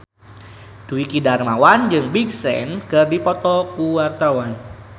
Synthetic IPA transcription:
d̥uwikidarmawand͡ʒɨŋbiɡsɛ̰nkɨrdipɔt̪ɔkuwart̪awan

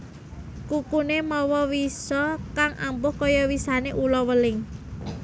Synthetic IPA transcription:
kukunemɔwɔwisɔkaŋʔa̰mbʊhkɔjɔwisaneʔulɔwəlɪŋ

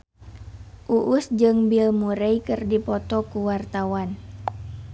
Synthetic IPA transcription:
ʔuʔusd͡ʒɨŋbilmuɾɛjkɨrdipɔt̪ɔkuwart̪awan

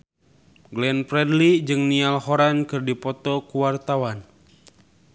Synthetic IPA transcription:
ɡlɛnpɾɛdlid͡ʒɨŋnialhɔɾankɨrdipɔt̪ɔkuwart̪awan

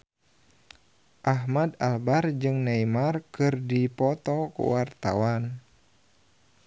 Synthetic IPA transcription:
ʔaɦmadalbard͡ʒɨŋnaimarkɨrdipɔt̪ɔkṵwart̪a̰wan

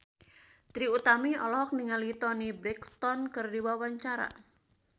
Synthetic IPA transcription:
t̪ɾiut̪amiɔlɔɦɔk̚niŋalit̪ɔnibɾɛkst̪ɔnkɨrdiwawaɲt͡ʃaɾa̰

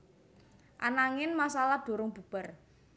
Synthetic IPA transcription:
ʔanaŋɪnmasalad̪̥o̤ɾʊŋb̥ṳb̥ə̤r

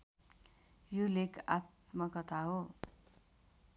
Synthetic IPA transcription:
jolekat̪mʌkʌt̪ʰaɦo

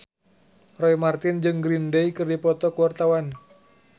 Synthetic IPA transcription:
rɔjmart̪ɪnd͡ʒɨŋɡɾindeikɨrdipɔt̪ɔkəwart̪awan

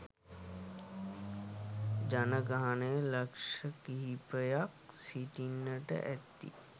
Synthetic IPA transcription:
d͡ʒanəɡaːnelɐkʃəkiɦipəjaksiʈinəʈə̰ʔɛ̰t̪ːḭ

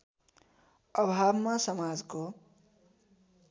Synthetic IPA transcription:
ʌbʱabmasʌmad͡zko

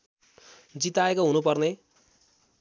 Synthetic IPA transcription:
d͡zit̪aekoɦunupʌrne

